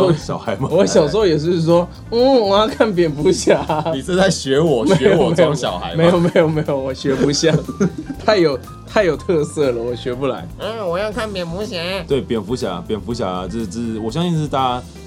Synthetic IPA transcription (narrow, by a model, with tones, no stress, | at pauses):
o˥ɕjɑ˨˩ʊxa˧˦ɪma˨wɔ˧˦ɕjɑ˨ʊs̬jɛ˨˩ʂ̬ɻ̩˥˧˩ʂwɔ˦ | n̩˥˩wɔ˨˩jɑ˥˧ŋkʰa˥˩np̬jɛ˨˩nfu˧˥ɕja˨˩˦ni˨˩ʂ̩˥˧t͡sa˥˩ɪɕɥɛ˨˧˥wɔ˨˩e˧˦˥ɛ˧jowme˧˦jɕjɑ˨˩ʊxa̰˧˦ɪme˧˦ɪjo˨˩me˧˥ɪjo˨˩ʊme˧˥ɪjo˨˩wɔ˨˩ɕɥɛ˧˥pu˧˥ɕjɑ˥˩˦t̪ʰa˥˩ɪjo˨˩ʊ | t̪ʰa˥˩ɪjo˨˩ʊt̪ʰɤ˥˧sɤ˥˩lə˩wɔ˨˩ɕɥɛ˧˥pu˧˩la̰˧˦ɪ˥˩wɔ˨˩jɑ˥˧ʊkʰa˥˩npjɛ˨˩nfu˧˥ɕɛ˧˥˦t̪we˥˩ɪpjɛ˨˩nfu˧˥ɕja̰˨˩˨pjɛ˨˩nfu˨˥ɕja̰˨˩˧t͡sə˥˩t͡s̩˥˩˨wɔ˨˩ɕjɑ˦ŋɕi˥˧nʂɻ̩˥˩t̪a˥˧˦